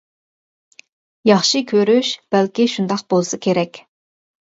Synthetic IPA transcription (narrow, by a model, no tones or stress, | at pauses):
jɑχʃɨkʲʰøɾyʃb̥ɛlkʲiʃund̪ɑqbolˠsɨkʲʰeɾɛkʲ